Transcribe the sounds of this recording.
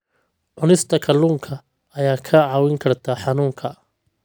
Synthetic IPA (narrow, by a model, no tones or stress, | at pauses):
ʕʊnɪst̪ʰɐkʰɐluːŋkʰɐ | ɐjaːkʰɐʕɑwɪŋkʰɐrt̪ʰɐħɑnuːŋkʰɐ